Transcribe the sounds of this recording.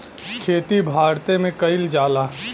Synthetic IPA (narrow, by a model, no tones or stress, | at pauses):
kʰeːt̪ibʱaːɾt̪emẽkɐɪld͡ʒaːlaː